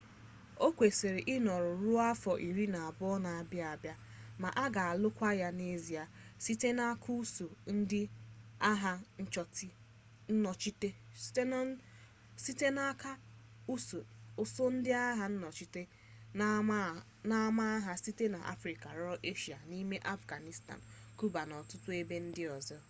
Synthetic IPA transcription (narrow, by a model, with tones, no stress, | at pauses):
o˦kʷe˨se˨ɾe˨ʔɪ˦nɔ˨ɾʊ˨ɾu˦a˦fɔ˨ʔi˨ɾi˦na˨a˨bʊ˦ɔ˦na˨a˨bja˨bja˦ | ma˨ʔa˦ɡa˨a˨lʊ˦kʷa˦ja˦ne˦zi˨a˨si˦te˦na˦kʰu˦u˦so˨n̩˦dɪ˦a˦ɦa˦n̩˦t͡ʃɔ˨t | n̩˦nɔ˨t͡ʃi˦te̥˦te˦ | si˦te˦na˦ka˦ | u˦so˨o˨so˦n̩˦dɪ˦a˦ɦa˦n̩˦nɔ˨t͡ʃi˦te˦ | na˦ma˦a˦ɦa˦si˦te˦na˨ʔa̰˦fɾi˨ka˨ɾɔ˦ɾɔ˦ʔe˦ʃi˨a˨ni˦me˦ʔa˦fɡa˨ni˨sta̰˨n˨ | ku˦ba˨nɔ˨tʊ˦tʊ˦e˦be˦n̩˦dɪ˦ɔ˨zɔ˦